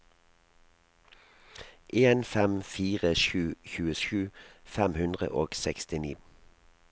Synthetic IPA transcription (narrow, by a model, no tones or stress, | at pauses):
ʔeːnfɛmfiːʁəʃʉːçʉːəʃʉːfɛmhʉnd̪ʁə̰ʔoːɡ̥sɛkst̪ɪniː